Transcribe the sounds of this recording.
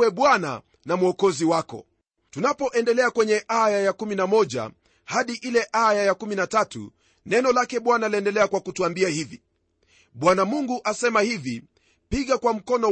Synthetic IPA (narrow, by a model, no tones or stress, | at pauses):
ɛɓwana̰ | namuɔkɔziwakɔ̰ | tunapɔʔɛndɛlɛakwɛɲɛʔajajakuminamɔʄa̰ | haɗiʔilɛʔajajakuminatatṵ | nɛnɔlakɛɓwanalɛndɛlɛakwakutuambiahivi | ɓwanamuŋɡuʔasɛmahivi | piɠakwam̩kɔnɔ